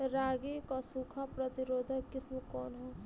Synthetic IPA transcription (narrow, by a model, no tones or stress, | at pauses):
ɾaɡikɔsukʰapɾʌt̪iɾoːd̪ʱɐkɪsmukɔːnɦɛ